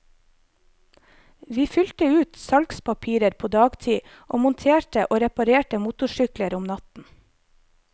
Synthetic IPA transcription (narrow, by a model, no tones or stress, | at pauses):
ʋiːfʏlt̪əʉːt̪sɑlkspɑpʰiːɾəɾpʰoːd̪ɑːɡt̪ʰiː | ʔo̰ːmʊnt̪ʰeːʈəʔoːɾɛpɑɾeːʈəmuːt̪ʊʃʏkləɾʊmnɑt̪n̩